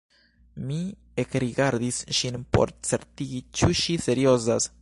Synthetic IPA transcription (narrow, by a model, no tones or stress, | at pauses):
mi | ekɾiɡaɾd̪isʃinpo̞̰ɾt͡se̞ɾtiɡit͡ʃuʃise̞ɾio̞zas